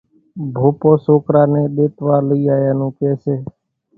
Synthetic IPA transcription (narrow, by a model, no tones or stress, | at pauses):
bʱoːpoːsoːkɾaːnẽːɗeːt̪ʋaːləiːaːjãːnũːkeːseː